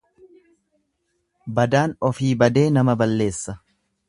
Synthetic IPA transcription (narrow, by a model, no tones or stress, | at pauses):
bɐd̪aːnɔfiːbɐd̪e̞ːnɐmɐbɐlːe̞ːsːɐ